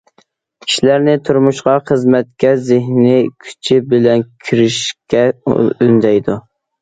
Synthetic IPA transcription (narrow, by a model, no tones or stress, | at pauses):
kʲʰi̥ʃilæɾnɪt̪ʰuɾmuʃqɑχəzmɛt̪̚kʲɛzɪɦnikʲʰy̥t͡ʃʰɪbɪlɛnkʲʰiɾɪʃkʲɛynd̪ɛjd̪u